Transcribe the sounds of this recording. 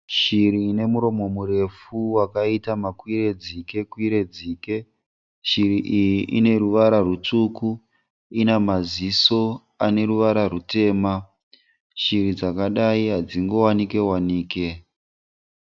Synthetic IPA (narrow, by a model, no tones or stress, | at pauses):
ʃiɾiːne̞muɾo̞mo̞muɾe̞fuwakaitamakwiɾe̞d͡zike̞kwiɾe̞d͡ziːke̞ | ʃiɾiʔijiʔine̞ɾuʋaɾarut͡ʂuku | inamaziso̞ | ane̞ɾuʋaɾarute̞ːma | ʃiɾid͡zakaɗaiɦad͡ziŋɡo̞wanike̞waniːke̞